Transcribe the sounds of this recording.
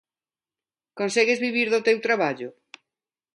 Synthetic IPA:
konsɛɣezβiβiɾðʊt̪ewt̪ɾaβaʎʊ

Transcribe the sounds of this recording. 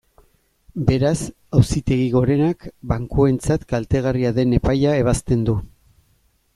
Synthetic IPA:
be̞ɾas | awsit̪e̞ɣ̞iɣo̞ɾe̞nakbaŋkoe̞nt͡sat̪kalt̪e̞ɣariaðe̞ne̞pajae̞β̞ast̪e̞nd̪u

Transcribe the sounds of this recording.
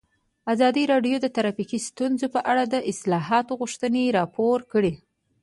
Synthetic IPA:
azɑd̪iɾɑɖjod̪ət̪aɾɑfikist̪unzopəʔaɽad̪əʔɪslɑɦɑt̪oɣuʃt̪əneɾɑpoɾkəɽi

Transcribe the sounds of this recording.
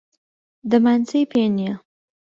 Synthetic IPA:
d̪əmansəjpenja

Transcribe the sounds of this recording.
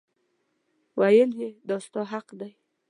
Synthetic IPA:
wajəljed̪ɑst̪ɑɦaqd̪aj

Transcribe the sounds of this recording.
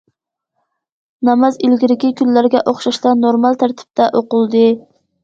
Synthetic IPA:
nɑmɑzilɡʲiɾɪkʲikʲʰylːæɾɡʲɛʔoχʃɑʃt̪ɑnoɾmɑlˠt̪ʰæɾt̪ʰɪ̥p̚t̪ʰɛʔoqʊlˠd̪ɨ

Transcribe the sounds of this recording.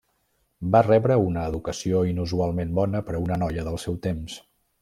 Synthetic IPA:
barɛβɾəunəːðukəsioinuzualˠmembɔnəpəɾəunənɔjəðəlˠsɛwt̪ems

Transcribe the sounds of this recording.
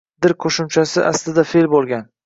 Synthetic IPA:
d̪ɪɾkʰoʃʊmt͡ʃʰasɪʔaslɪd̪afe̞lbolˠɡʲan

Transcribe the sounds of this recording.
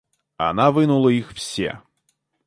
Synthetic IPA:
a̰navɨnulˠɐixw̥sʲɛ̰

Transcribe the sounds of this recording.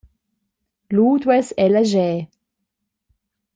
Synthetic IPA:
luːt̪wɛsɛləʒɛː

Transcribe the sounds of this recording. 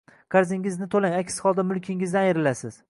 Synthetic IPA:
kʰaɾzɪŋʲɪznɪt̪ʰolaŋakʲsɪ̥hɒlˠd̪amʊlˠkʲʰɪŋɪzd̪anɪɾɪlasɪz̥

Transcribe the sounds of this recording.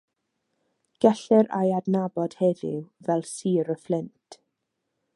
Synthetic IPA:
ɡ̥ɛɬɛɾa̰jadnabɔd̥hɛðɪ̰vɛlˠsiːɾəflɪntʰ

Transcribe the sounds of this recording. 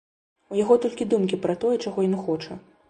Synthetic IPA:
ujaɣɔt̪ɔlʲkʲid̪umkʲipɾɐt̪ɔjɛt͡ʂaɣɔjɔnxɔt͡ʂɐ

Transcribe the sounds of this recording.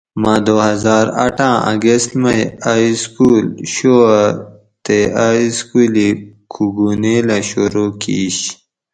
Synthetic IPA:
mãːd̪ohɐzaːɾɐ̰ʈʰãːʔɐ̰ɡest̪mɐjaiskuːlɕoa | t̪eaiskulikʰuɡuneːlaɕuɾukḭɕ

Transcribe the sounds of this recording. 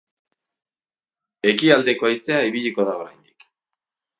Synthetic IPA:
e̞kiald̪e̞ko̞ajse̞aiβiʎiko̞ðaoɾa̰jnd̪ik

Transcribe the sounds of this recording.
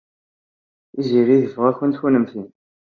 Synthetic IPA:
iziʁiðəfʁæçənt̪çunəmθin

